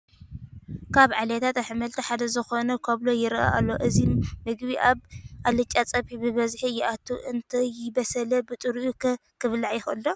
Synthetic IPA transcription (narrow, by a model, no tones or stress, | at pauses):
kʰaβʕalɐt̪ʰat̪aħɨmɐlt̪ʰiħad̪ɐzɨxo̞nɐkʰoβlojɪɾʔa̰ʔa̰lːoʔɨzimɨɡbiʔaβʔalɨt͡ʃʼat͡sʼɐβħibɨβɐzħijɪʔat̪ʰːuʔɨnt̪ʰɐjɪbɐsɐlɐbɨt̪ʼɨɾʔukʰɨβlaʕjɪxɨ̰lːo